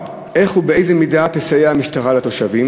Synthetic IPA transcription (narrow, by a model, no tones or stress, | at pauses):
ʔe̞χhubee̞jzemidatesajeamiʃtaʁalato̞ʃavim